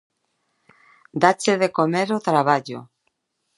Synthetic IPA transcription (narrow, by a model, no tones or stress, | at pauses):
d̪at͡ʃeðekomeɾot̪ɾaβ̞aʎo̰